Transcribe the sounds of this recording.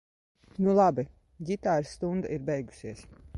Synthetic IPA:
nulˠabi | ɡʲit̪aːɾst̪und̪aiɾbɛjɡu̥siɛs

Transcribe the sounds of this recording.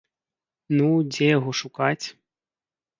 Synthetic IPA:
nud͡zʲɛjaɣɔʂukat͡sʲ

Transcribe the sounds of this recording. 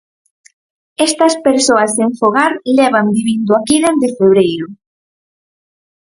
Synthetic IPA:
est̪ɐspeɾsoɐseɱfoɣaɾlɛβand̪iβind̪oakiðezd̪efeβ̞ɾejɾʊ

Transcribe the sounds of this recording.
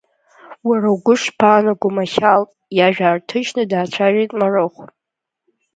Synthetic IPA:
warawɡʷʊʂpʰaːnaɡʷumaxʲalʼ | jaʒᶣaːrtʰɨʒnɨdaːt͡ɕʷʰaʒejtʼmarɨχʷ

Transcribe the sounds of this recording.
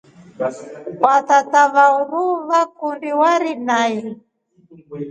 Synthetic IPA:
wat̪ataβauɾuβakundiwaɾinai

